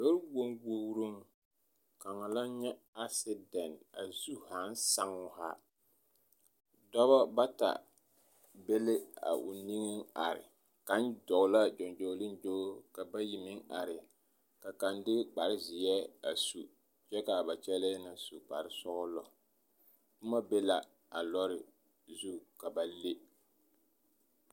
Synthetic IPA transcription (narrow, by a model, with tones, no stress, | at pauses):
do˦ɾbo˦ŋɡo˦ɾu˦ŋ | ka˨ŋa˨la˦ɲɛ˦ | a˦sɪ˦dɛ˨na˨zu˦˨ha˨˦n˦sa˦ŋʊ˦ha˦ | dɔ˦βa˦ba˦ta̰˨ | be˦lɪ˦a̰˨ʔʊ̰˨ni˦ŋɪ˦ŋa̰˨ɾɪ̰˨ | ka˨˦n˦dɔ˨ɡla˦d͡ʒo˨nd͡ʒo˨˦lɪ˦nd͡ʒoː˦ka˨ba˦ji˨mɪ˦ŋa˨ɾɪ˨ | ka˨ka˨ndɪ˦k͡pa˨ɾɪ˦zɪ˨jɛ˦a˨su˨ | t͡ʃɛ˦ka˨ba˨t͡ʃɛ˦lɛ˦na˨su˨k͡pa̰˨ɾɪ˦sʊ˦ʔʊ˦lɔ̰˨ | bʊ˦ma˦be˦la˨ | a˨lɔ˦ɾɪ˨ | zu˦ka˨ba˨le˦